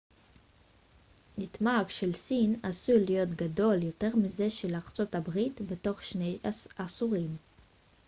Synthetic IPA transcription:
nitmaɡʃelsinasulijo̞tɡado̞ljo̞te̞ʁmize̞ʃelaʁt͡so̞thabʁitbe̞to̞χʃnejasuʁim

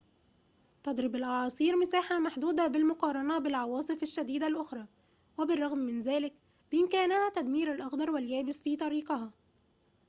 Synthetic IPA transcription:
t̪ɑd̪ɾɪbalʔɑʕɑːsˤiːɾmɪsaːħamaħd̪uːd̪abɪlmʊqɑːɾˤɑnabɪlʕɑwɑːsˤɨfaʃːad̪iːd̪alʔʊxɾˤɑː | wɪbɪrˤːɑɣmːɪnzæːlɪk | bɪʔɪmkæːnæhæt̪æd̪miːɾalʔɑxd̪ɑɾˤwɪljæːbɪsfiːt̪ˤɑɾiːqɑɦɑː

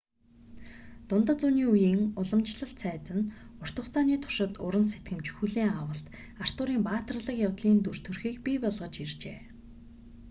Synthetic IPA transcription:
t̪ʊnt̪ə̆t͡suːniːujiːŋʊɮə̆mt͡ɕɮə̆ɬt̪sʰæːt͡sə̆nʊr̥t̪ə̆w̥ʰt͡saːniːt̪ʰʊ̥ʃɪ̆t̪ʊɾə̆nset̪ɡɘ̆mt͡ɕxuɮiːŋawə̆ɬt̪ | ar̥t̪ʊːɾiːmpaːt̪̆rɮə̆kjawt̪ɮiːnt̪ur̥t̪ʰɵrxiːkpipɔɮʁɞ̆t͡ɕirt͡ɕeː

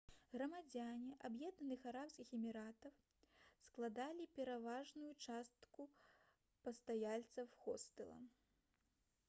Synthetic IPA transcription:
ɣɾɐmad͡zʲanʲiʔabjɛd̪̚nɐnɨxaɾapskʲixɛmʲiɾat̪ɐw | sklˠad̪alʲipʲɛɾavaʐnujut͡ʂast̪ku | pɐst̪ajalʲt̪sɐwxɔst̪ɨlˠɐ̰

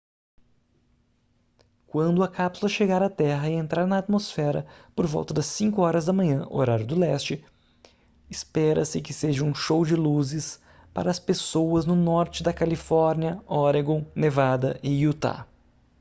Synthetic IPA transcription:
kwɐ̃nd̪ʊɐkapsulɐʃeɡaɾɐt̪ɛɦɐɪẽnt̪ɾaɾnɐːt̪mosfɛɾɐ̰poɾvɔ̰wˠt̪ɐd̪ɐsːĩŋkʊɔɾɐzd̪ɐmɐ̃ɲɐ̃ʔo̰ɾaɾjʊd̪ʊlɛst͡ʃɪ | ɪspɛɾɐsɪkɪseʒɐũʃowd͡ʒɪluzɪs | pa̰ɾɐːspesowɐznʊnɔɾt͡ʃɪd̪ɐkalifɔɾniɐɔɾeɡõnevad̪ɐʔɪjut̪a̰

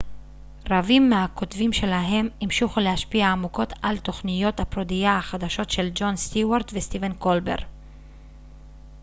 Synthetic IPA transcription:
ʁavimːeako̞t̪vimʃe̞laɦe̞mimʃuχulehaʃpiaːmuko̞t̪alt̪o̞χnijo̞t̪hapʁod̪ijaaχad̪aʃo̞tʃe̞ld͡ʒo̞nst̪iwaʁt̪vest̪ivenko̞lbe̞̰ʁ

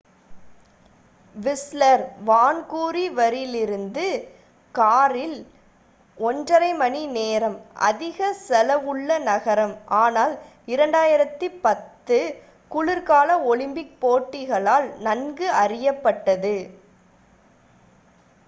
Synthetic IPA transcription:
ʋɪslɐɾʋaːnkuːɾiʋɐɾɪlɪɾɯnd̪ɯ | kaːɾɪl | ɔndrɐɾɐɪmɐnineːɾɐmʔɐ̰ðɪɣɐsɛlɐʋɯɭːɐnɐɣɐɾɐmʔaːnaːl | ɪɾɐɳɖaːjɪɾɐt̪ːɯpɐt̪ːɯ | kʊɭɪɾkaːlɐɔɭɪmbɪk̚poːʈːɪɣɐɭaːlnɐnɡɯʔɐrɪjɐpːɐʈːɐðɯ

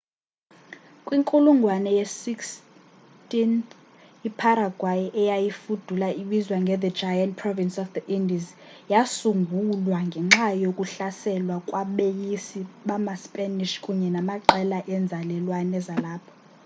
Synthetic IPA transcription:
kʼwiŋkʼuluŋɡʱwanɛjesiks | tʼin | ipʰaɾaɡ̥ʱwajiʔɛjajifud̥ʱulaʔiɓizwaŋɡʱɛðɛdd͡ʒajantpʰrɔvinsɔfd̪əʔindiz | jasuŋɡʱulwaŋɡʱɛŋ͡ǁajokʼuɬasɛlwakʼwaɓejisiɓamaspʼɛniʃkʼuɲɛnamaǃɛlaʔɛnd͡zʱalɛlwanɛzalaːpʰɔ̥

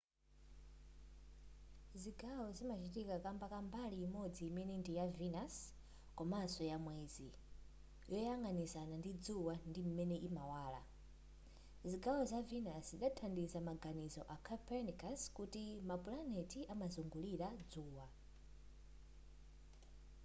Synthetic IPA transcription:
ziɡawɔzimat͡ʃitikakambakambaliːmɔd͡ziːmɛnɛndijavinas | kɔmasɔjamwɛːzi | jɔjaŋɡanisanandid͡zuwandim̩mɛnɛʔimawaːla̰ | ziɡawɔzavinasziɗatʰandisamaɡanizɔ̰ʔakʰapɛnikaskutimapulanɛtiʔamazuŋɡuliɾad͡zuːwa

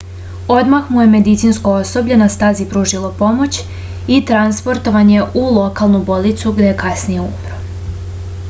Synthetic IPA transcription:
o̞d̪maxmuje̞me̞d̪it̪sinskoo̞so̞bʎenast̪azipɾuʒilˠo̞po̞mo̞t͡ɕ | it̪ɾanspo̞ɾt̪o̞ʋaɲe̞ʔulˠo̞kalˠnubo̞lit̪suɡd̪eekasnijeṵmɾo

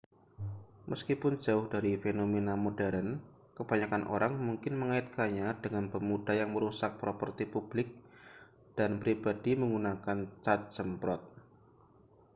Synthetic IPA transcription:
mʔəskipʊnd͡ʒaʊhdaɾifenomenamodɛɾən | kəb̥aɲakanʔo̰ɾaŋmuŋkɪnməŋaɪt̪̚kaɲad̥əŋanpəmud̥ajaŋməɾusak̚pɾopərt̪ipub̥lɪk̚ | d̥anpɾibad̥iməŋɡunakant͡ʃat̪̚d͡ʒ̥əmpɾɔt̪̚

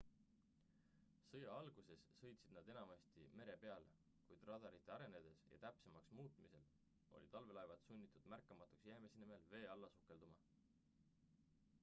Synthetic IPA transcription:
sɤjɑɑlɡ̥use̞sːɤ̞jt̪sid̪̚nɑd̪e̞nɑmɑst̪ḭme̞ɾe̞pe̞ɑl | kujd̪̥rɑd̪̥ɑɾit̪ˑːeɑɾe̞ned̪̥e̞sjɑ̰t̪æpse̞mɑksmuːt̪ˑmise̞l | o̰lit̪ɑlve̞lɑjvɑt̪sunʲːit̪ːˑud̪̥mærkːˑɑmɑt̪ːˑuksjæːmesenime̞lve̞ːɑlːɑsukˑːe̞ld̪̥umɑ

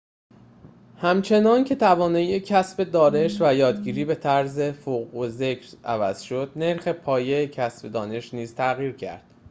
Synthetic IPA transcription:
hæmt͡ʃʰe̞nɒːncʰe̞t̪ʰævɒːnɒːjecʰæsbe̞d̪ɒːne̞ʃvæjɒːd̪ɟiːɾiːbe̞t̪ʰæɾze̞foɣoze̞cʰɾæ̰væ̰z̥ʃo̞d̪̥̚ne̞ɾxe̞pʰɒːje̞jecʰæsbe̞d̪ɒːne̞ʃniːz̥t̪ʰæɣiːɾcʰæ̰ɾd̪̥̚

